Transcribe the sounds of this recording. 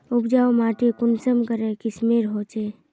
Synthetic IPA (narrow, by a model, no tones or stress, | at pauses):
ʊpd͡ʒaːomaːʈikʊnsəmkəɾekismeːɾɦoːt͡ʃeː